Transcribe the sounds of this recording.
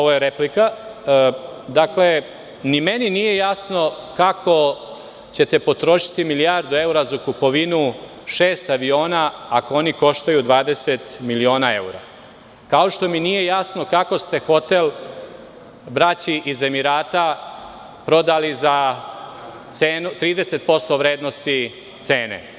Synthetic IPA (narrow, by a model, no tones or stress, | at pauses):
oʋojeɾeplika | d̪akle̞ | nimeninije̞jasno̞kakʰo̞ | t͡ɕe̞t̪e̞po̞t̪ɾo̞ʃi̥t̪imilijaɾd̪ue̞uɾazakupo̞ʋinu | ʃeːst̪aʋio̞ːnaːkooniko̞ʃt̪ajud̪ʋaːd̪e̞se̞t̪milio̞ːnae̞uɾa̰ | kao̞ʃt̪o̞minije̞jasno̞kako̞st̪e̞xo̞t̪el | bɾat͡ɕiʔize̞miɾaːt̪a | pɾo̞d̪aliza | t̪seːnut̪ɾiːd̪e̞se̞t̪̚po̞st̪o̞ʋɾe̞ːd̪no̞st̪i | t̪se̞ːnḛ